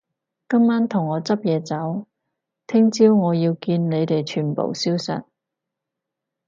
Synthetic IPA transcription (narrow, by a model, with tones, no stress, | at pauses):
kɐ˥mːaː˥nt̪ʰʊ˨˩ŋːɔː˨˧t͡sɐ˥p̚jɛː˨˧t͡sɐ˨˥w | t̪ʰɪ˥ŋt͡siː˥wŋɔː˨˧jiː˧wkiː˧nne˨˧jt̪e˨jt͡ʃʰyː˨˩npo̰˨˩wsiː˥wsɐ̰˨t̚